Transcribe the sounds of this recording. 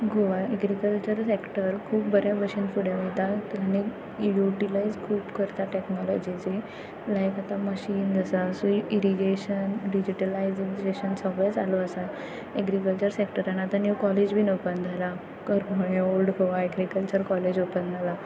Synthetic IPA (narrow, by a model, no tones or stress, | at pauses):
ɡʱoʋaɛɡɾikəlt͡ɕəɾsekʈəɾkʰuːp̚bəɾjabəɕinfuɽeʋejt̪aañi | juʈilaizkʰuːpkəɾt̪aʈeknɔlɔd͡ʑid͡ze | lajkat̪aməɕiːnd͡zəsaəsũiɾiɡeɕənɖid͡ʑiʈəlaid͡zid͡ʑeɕənsɔʋesaloəsa | ɛɡɾikəlt͡ɕəɾsekʈəɾanat̪anjukɔled͡ʑbʱiːnopənd̪ʱala | kəɾməɭeolɖɡʱoʋaeɡɾikəlt͡ɕəɾkɔled͡ʑopənd̪ʱala